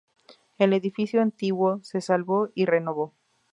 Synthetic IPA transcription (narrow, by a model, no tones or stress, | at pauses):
e̞le̞ðifisjoant̪iɣwo̞se̞salβo̞ire̞no̞βo